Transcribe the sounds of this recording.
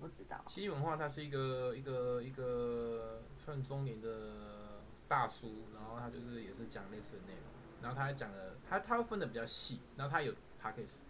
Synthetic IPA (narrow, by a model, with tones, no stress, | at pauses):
pu˥˩ʈ͡ʂ̩˦˥t̪ɑ̰˥˨t͡ɕʰi˧˥˩wə˧˦nxwa˥˧t̪ʰa˥ʂɻ̩˥˩i˧ɡə˨i˧ɡə˨i˧˥ɡə˨ | fə˥˩nt͡sʊ˥ŋmi˨˧˥ŋd̪ə˨ | t̪a˥˩su˦na˧˦nxo˥˩ʊt̪ʰa˥t͡ɕjo˥˧ʊʂɻ̩˥˩jɛ˨˩ʂɻ̩˥˩t͡ɕjɑ˨˩ŋle˥˧ɪsɹ̩˥˩d̪ə˩ne˥˩ɪɾo̰˧˦ŋna˨˦xo˥˩ʊt̪ʰa˥jt͡ɕjɑ˨˩ŋd̪ə˦t̪ʰa˥t̪ʰa˥we˥˩ɪfə˥nd̪ə˨˩pi˨˩t͡ɕjɑ˥˧ʊɕi˥˩na˨˦xo˥˩t̪ʰa˥jo˨˩ʊ | pʰa˧˥kʰe˥˩s̩˨